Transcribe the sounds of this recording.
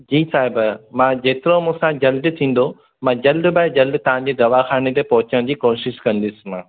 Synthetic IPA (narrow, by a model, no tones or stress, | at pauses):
d͡ʑiːsaːɦɪbmãd͡ʑeːt̪ɪɾomũːsãd͡ʑɐlɖt̪ʰĩːn̆d̪o | mãːd͡ʑɐlɖbaːɪd͡ʑɐlɖt̪ɐʋ̤ãɲd͡ʑeːd̪ɐʋaxaːnet̪epɔɦʊt͡ɕəɽ̃d͡ʑiːkoːʃɪʃkɐ̃nd̪ɪsɪ̥̆mãː